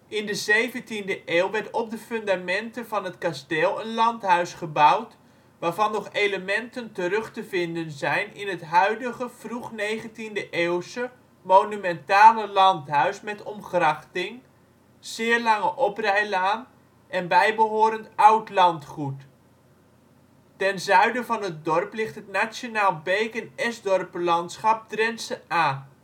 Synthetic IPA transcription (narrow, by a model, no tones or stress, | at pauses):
ʔɪndəzejvəntindəʔeːlˠʋɛɹtɔp̚dəfɵndamɛntənvɑnɦətkasteːlˠənlɑntɦœɥsχəbʌwt | ʋaːɹvɑnːɔχejləmɛntəntərɵχtəvɪndənzɛjnɪnɦətɦœɥdəχəfruχnejχəntindəʔeːlˠsə | monymɛntaːləlɑntɦœɥsmɛtɔmχrɑχtɪŋ | z̥ɪːrlɑŋəʔɔprɛjlaːn | ʔɛnbɛjbəɦoːɾəntʌwtlɑntχut | tɛnzœɥdəvɑnɦət̚dɔrplɪχtətnasjonaːlˠbejkənɛzdɔrpəlɑntsχɑp̚drɛnsəaː